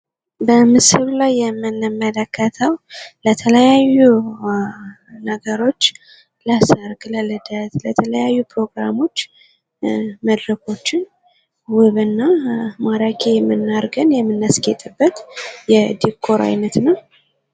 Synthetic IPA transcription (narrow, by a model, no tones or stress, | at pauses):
bəmɨshɨβlajːɛmːɨnːmːələkʰːət̪ʰəwlət̪ʰələjajːu | nəɡəɾo̞t͡ʃː | lasəɾkʼləlɨd̪ət̪lət̪ʰələjajːupʰɾo̞ɡɾamo̞t͡ʃː | məd̪ɾəkʰo̞t͡ʃːɪn | wʊβɨnːamaɾakʰejɛmːɨnːaɾɡənjɛmːɨnːasket̪ʼɨbːət̪jɛd̪ikʰːo̞ɾʔa̰jnət̪nəw